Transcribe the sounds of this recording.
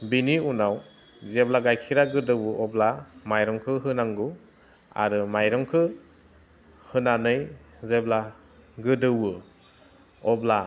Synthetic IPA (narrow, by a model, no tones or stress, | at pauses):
biniunaw | zeblaɡajkʰiɾaɡɯdɯwɯɔblamajɾɔŋkʰɯɦɯnaŋɡu | a̰ɾɯmajɾɔŋkʰɯ | hɯnanɯj | zebla | ɡɯdɯwɯ | ɔbla